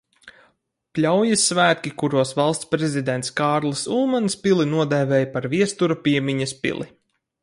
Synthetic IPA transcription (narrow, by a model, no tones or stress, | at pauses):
plʲawjisːvæːt̪̚kʲikuɾuɔsvalˠst̪spɾɛzʲid̪ɛnt̪skaːɾlˠɨsulˠmanspʲilˠinuɔd̪ɛvɛːjpaɾviɛst̪uɾapʲiɛmʲiɲɐspʲḭlˠi